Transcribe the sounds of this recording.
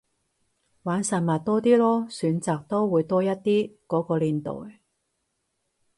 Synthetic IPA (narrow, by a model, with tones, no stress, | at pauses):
waː˨˥nsɐ˨t̚mɐ˨tt̪ɔː˥t̪iː˥lɔː˥syː˨˥nt͡saː˨k̚t̪o˥wwuː˨˧jt̪ɔː˥jɐ˥t̚t̪iː˥kɔː˨˥kɔː˧liː˨˩nt̪o̰ː˨˩j